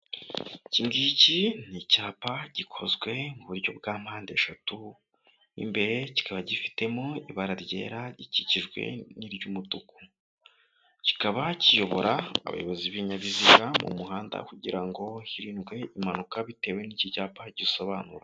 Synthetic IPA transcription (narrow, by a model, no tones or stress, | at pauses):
ciŋɡicinicaːpaɟ̥ikʰo̞zɡwe̞ŋɡuβuɾɟo̞bɡaːm̥haːnde̞ʃatu | nḭmbe̞ɾe̞ci̥kaβaɟifi̥te̞moiβaɾaɾɟe̞̰ːɾaɟiciciʒɡwe̞̰niɾɟumutuku̥ | ci̥kaβacijo̞βo̞̰ɾa̰ːβa̰jo̞βo̞ziβiɲaβiziɡamṵmuhaːnda̰kuɟiɾaŋɡo̞hiɾiːnɡwe̞imanukaβite̞ːwe̞nicicaːpaɟiso̞βaːnuɾa